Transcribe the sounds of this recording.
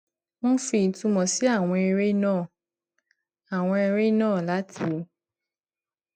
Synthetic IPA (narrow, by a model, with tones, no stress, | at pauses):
mɔ̃˦fi˧˨tũ˧mɔ̃˨si˨˦a˦˨w̃ɔ̃˧e˧ɾe˦nãː˦˨ | a˨w̃ɔ̃˧e˧ɾe˦nãː˦˨la˨˦tʰi˧˦˧